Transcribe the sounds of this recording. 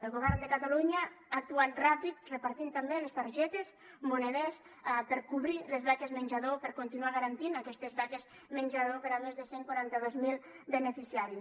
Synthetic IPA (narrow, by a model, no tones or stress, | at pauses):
elˠɣoβ̞ɛɾnd̪ekat̪aluɲaak̚t̪uat̪rapit̪repaɾt̪int̪ambelest̪aɾʒɛt̪ez | muneðes | apeɾkuβɾilezβakezmenʲʒaðopeɾkont̪inuaɣaɾant̪inakɛst̪ezβakez | menʲd͡ʒaðopeɾamezðeseŋkwaɾant̪aðozmilˠ | benefisiaɾis